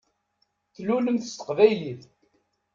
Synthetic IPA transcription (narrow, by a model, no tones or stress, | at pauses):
θluləmθə̥st̪ə̥qvæjliθ